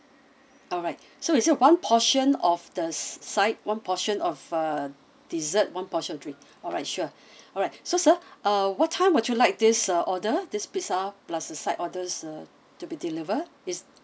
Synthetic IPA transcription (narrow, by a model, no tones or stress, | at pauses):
ɔlɹaɪt̚ | soisiwãnpʰɔʃə̃nɔfdəssaɪt̚wãnpʰɔʃə̃nɔfʌ | d̥izət̚wãnpɔʃə̃nɔdɹĩŋk | ɔɹaɪt̚ʃuə | ɔɹaɪtsosəʔʌwɔtʰːãɪ̃mwɔt͡ʃulaɪk̚disaʔɔdədispisaplasdəsaɪtɔdəsa | tubidilivəd | is